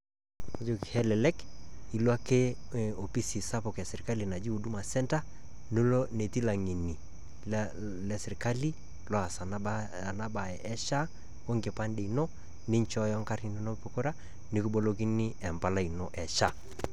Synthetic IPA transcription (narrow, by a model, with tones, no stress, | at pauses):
d͡ʒo˨ki˨hɛ˦lɛ˨lɛ˦ki˨lwa˦ke˦o˨pi˦si˨sa˦po˨ka˨se˨ɾi˨ka˦li˨na˨d͡ʒi˦u˨du˦ma˨sɛ˦nta˦ | no˦lo˦ne˨ti˦la˨ŋi˨ni˨ | lɛ˨sɪ˨ɾka˦li˦ | lɔ˨˦a˨sa˨ | a˨na˦ba˨ɛ˨ʔɛ˦ʃa˦ | o˦ŋɡɪ˨pa˦nde˨i˨no˦ | ni˦ɲt͡ʃɔ˦jɔ˦ŋka˦ɾi˨ni˦no˦po˨ko˦ɾa˦ | ni˦ku˦bo˦lo˦k̬i˦ni˦ɛ˨mpa˦la˦i˨no˦ʔɛ˨ʃa˦